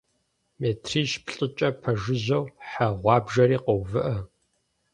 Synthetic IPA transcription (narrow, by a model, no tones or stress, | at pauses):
meːtʰriːʃpɬʼɪt͡ʃʼɐpʰɐʒɨʑɐwħaʁʷɑːbʒɐɾiːqowvɨʔɐ